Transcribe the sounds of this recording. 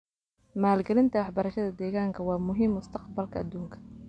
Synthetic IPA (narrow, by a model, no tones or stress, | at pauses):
maːlɡɛlɪnt̪ʰɐwɑħbɐɾɐʃɐðɐd̪ɛːɣaːŋkʰɐwɑːmʊɦiːmʊst̪ʰɐqbɐlkʰɐːd̪ːuːŋkʰɐ̥